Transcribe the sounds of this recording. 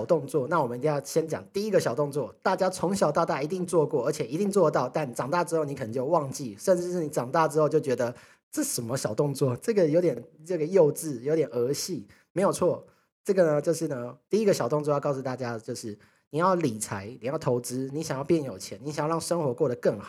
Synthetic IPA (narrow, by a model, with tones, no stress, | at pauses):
ʊt̪ʊ˥˧ŋt͡swɔ˥˩na˥˩wɔ˨˩mə˦˧i˧t̪i˧jʊɕjɛ˥nt͡ɕjɑ̰˨˩˦ŋt̪i˥i˦˥ɡə˨ɕjɑ˨˩ʊt̪ʊ˥˧ŋt͡swɔ˥˩t̪a˥˩t͡ɕja˥t͡sʰʊ˧˥ŋɕjɑ˨˩ʊt̪ɑ˥˧t̪a˥˩i˧˥t̪i˥˧ŋt͡swɔ˥˧kwɔ˥˩ə˞˧˥t͡ɕʰjɛ˨˩i˧˥t̪i˥˧ŋt͡swɔ˥˧t̪ɑ˥˩ʊt̪a˥˩n˨˩ʈ͡ʂɑ˨˩ŋt̪a˥˩ʈ͡ʂɻ̩˥xo˥ʊni˧˥kʰnə˧t͡ɕjo˥˧wɑ˥˧ŋt͡ɕi˥˩ʂə˥˧nɻ̩˥˧ʂ̩˥˩ni˧˥ʈ͡ʂɑ˨˩ŋt̪a˥˩ʈ͡ʂɻ̩˥xo˥˧ʊt͡ɕjo˥˩ʊt͡ɕɥɛ˧˥d̪ə˧ | ʈ͡ʂ̩˥˩ʂə˨˩nmə˦ɕjɑ˨˩ʊt̪ʊ˥˧ŋt͡swɔ˥˨ʈ͡ʂɤ˥˩ɡə˩jo˧˥ʊt̪jɛ˨˩nʈ͡ʂə˥˩ɡə˩jo˥˧ʊʈ͡ʂɻ̩˥˩jo˧˥t̪jɛ˨˩nə˧˥ɕi˥˩ | me˧˥ɪjo˨˩ʊt͡sʰwɔ˥˩ | ʈ͡ʂɤ˥˩ɡə˩nə˧t͡ɕjo˥˧ʊʂɻ̩˥˩nə˦t̪i˥˩i˦˥ɡə˨ɕjɑ˨˩ʊt̪o˥˧ŋt͡swɔ˥˧jkɑ˥˩ʊsu˨˩t̪a˥˩t͡ɕja˦t͡ɕjo˥˧ʊʂɻ̩˥˩ | ni˨˩jɑ˥˩ʊli˨˩t͡sʰa˧˥ɪni˨˩jʊt̪ʰo˧˥ʊʈ͡ʂɻ̩˥ni˧˥ɕa˨˩ŋjʊpjɛ˥˩njo˨˩ʊt͡ɕʰjɛ˧˦ni˧˦ɕa˨˦jɻɑ˥˩ŋʂə˥ŋxwɔ˧˥kwɔ˥˩d̪ə˩kə˥˩ŋxɑ˨˩˦